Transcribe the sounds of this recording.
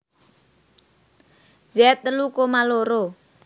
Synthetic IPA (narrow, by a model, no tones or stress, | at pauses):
d͡ʒɛt̪ːəlukomaloɾo